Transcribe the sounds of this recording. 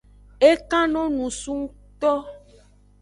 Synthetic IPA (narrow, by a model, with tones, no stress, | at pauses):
e˦kã˦nɔ̃˦nũ˨su˦ŋ˦ | t̪ɔ˦